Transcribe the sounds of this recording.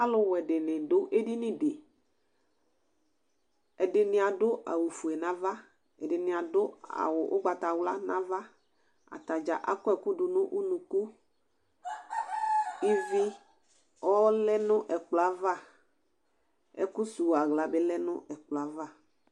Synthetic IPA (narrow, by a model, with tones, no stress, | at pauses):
a˦lʊ˦wɛ˨ɖɪ˨nɪ̃˨dʊ˦ʔe˦di˦nĩ˦de˨ | ɛ˨dɪ˨nɪ̃˨a˨ɖʊ˦ʔa̰˨wu˨fu˨ɛ˨nã˦va˦ | ɛ˨ɖɪ˨nɪ̃˨a˨dʊ˦a̰˨wʊ˨ʔʊ˦ɡ͡ba˨t̪a˨wla˦nã˦va˦ | a̰˨t̪a˨d͡ʒa˨ʔa̰˦kɔ˦ɛ˨ku˦ɖʊ˨nʊ̃˦ʔu˦nũ˨ku˦ | i˦vi˦ | ɔ˦lɛ˦nʊ̃˦ʔɛ˨k͡plɔ˨a˦va˦ | ɛ̰˨ku˦su˨wa˨ɣla˨be˦lɛ˦nʊ̰̃˦ʔɛ˨k͡plɔ˨a˨va˦˨